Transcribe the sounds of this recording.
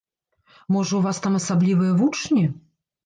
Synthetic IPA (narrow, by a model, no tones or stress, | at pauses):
mɔʐɐwvast̪amɐsablʲivɨjɐvut͡ʂnʲi